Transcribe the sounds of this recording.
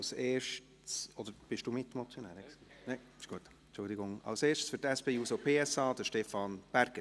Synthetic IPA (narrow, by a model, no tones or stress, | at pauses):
seːɾʃt | sɔd̥̪əɾb̥ɪʃd̥uːmɪt̪ːmɔt͡sjonæːɾɛks | nɛɪ | ɪʃɡ̥uət | nt͡ʃʊld̪ɪɡʊŋɑ̰lseːʃtəsfytɛspeːusopʰeːɛsɑːd̥̪əʃtɛfɑnb̥æɾɡ̥ə